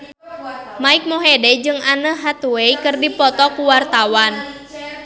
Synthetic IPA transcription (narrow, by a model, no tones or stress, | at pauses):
maik̚moɦedɛd͡ʒɨŋanəɦat̪uweikɨrdipɔt̪ɔkuwart̪awan